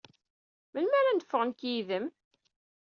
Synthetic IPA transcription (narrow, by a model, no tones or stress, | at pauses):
mənmæɾænd̪ə̥fːəʁənkjiðəm